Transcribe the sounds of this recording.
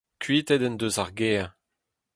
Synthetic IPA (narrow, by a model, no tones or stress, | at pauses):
kʰɥiːt̪ɛd̪ɛnd̪øzaʁɡeː